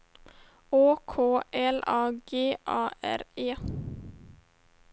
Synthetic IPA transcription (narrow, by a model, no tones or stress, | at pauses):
oːkʰoːʔɛlɑːɡeːʔɑːʔæ̰ɾeː